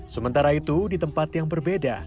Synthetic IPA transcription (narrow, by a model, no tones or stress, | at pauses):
səmənt̪aɾait̪udit̪əmpat̪jaŋbərbeda̰